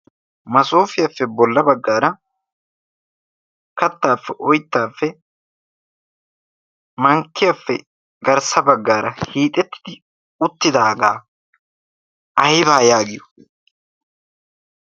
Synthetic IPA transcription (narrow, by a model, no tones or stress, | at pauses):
mɐsoːfɪjafːɛbɔlːɐbɐɡːaːɾɐ | kɐt̪ːaːfːɛʔɔjt̪ːaːfːɛ | mɐŋkːɪjafːɛ̰ | ɡɐɾsɐbɐɡːaːɾɐhiːt̪ʼːɛt̪ːɪ̥d̪ɪ | ʊt̪ːɪd̪aːɡaː | ʔɐjɪbaːjaːɡɪjɔ̥